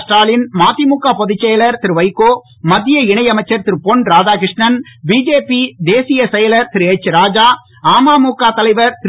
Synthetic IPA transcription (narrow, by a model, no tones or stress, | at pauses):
sʈaːlɪnmaːt̪imuːkːaːpɔðɪt͡ʃːɛjɐlɐɾt̪ɪɾɯʋɐɪkːoː | mɐd̪ːɪjɐɪɳɐɪɐmɐɪt͡ʃːɐɾt̪ɪɾɯpɔɳɾaːd͡ʒaːkɾɪʂɳɐnbiːd͡ʒeːpid̪eːsɪjɐsɛjɐlɐɾt̪ɪɾɯeːt͡ʃːɯɾaːd͡ʒaː | aːmaːmuːkːaːt̪ɐlɐɪʋɐɾt̪ɪ